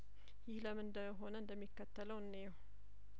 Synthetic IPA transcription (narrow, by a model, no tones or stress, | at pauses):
jɪhləmɨnd̪əɦo̞nəɨnd̪əmːikːət̪ʰːələwɨnːeɛw